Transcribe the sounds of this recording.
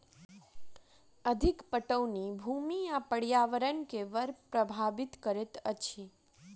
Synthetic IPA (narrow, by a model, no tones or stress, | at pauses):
əd̪ʱikpəʈəwnibʱumiapəɽjaʋəɾənkeʋəɾpɾəbʱaʋɪt̪kəɾet̪ət͡ʃʰi